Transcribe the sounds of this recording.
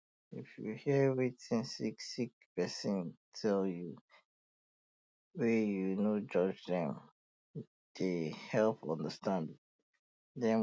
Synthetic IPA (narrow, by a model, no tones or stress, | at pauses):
ḭfjṵhiɹitĩnsiksik̚pɛsĩntʰɛlju | wɛjunod͡ʒɔd͡ʒðɛ̃m | d̥ehɛlˠpɔ̰̃ndəstʰãnd | dɛ̃n